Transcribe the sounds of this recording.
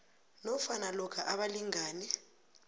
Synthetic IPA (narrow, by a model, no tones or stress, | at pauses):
nɔfanalɔkʰaʔaɓaliŋaːnɛ